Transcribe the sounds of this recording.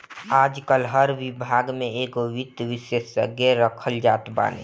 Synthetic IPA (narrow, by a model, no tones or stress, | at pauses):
aːd͡ʒkəlɦəɾʋibʱaɡmẽekoʋid̪ʋisesə̰ɡjeɾəkʰəld͡ʒaːt̪ba̰ːnḛ